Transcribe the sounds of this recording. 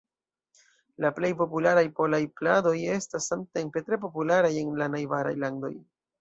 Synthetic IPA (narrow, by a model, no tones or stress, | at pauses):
laple̞jpo̞pulaɾajpo̞lajplado̞je̞stasːamte̞mpe̞tɾe̞p̬o̞pulaɾaje̞nlanajvaɾa̰jlando̞̰j